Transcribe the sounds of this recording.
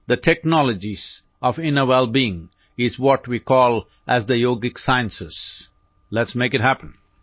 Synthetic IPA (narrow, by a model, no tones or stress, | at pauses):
d̪əʈʰɛknɔləd͡ʒiz̥ | ɔfɪ̃nəwɛlbiɪ̃ŋ | ɪzwɔʈwikɔːl | ʔæzd̪əjoːɡɪksaɪə̃nsɪz̥ | lɛʈsmeɪkɨʈ̚ɦæpə̃n